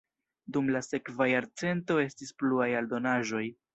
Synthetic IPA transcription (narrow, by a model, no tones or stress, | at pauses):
dumlase̞kvajaɾt͡se̞nto̞e̞stispluajaldo̞naʒo̞j